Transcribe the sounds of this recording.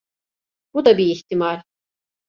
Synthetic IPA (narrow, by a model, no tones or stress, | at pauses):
b̥ud̪abiːht̪imaɾ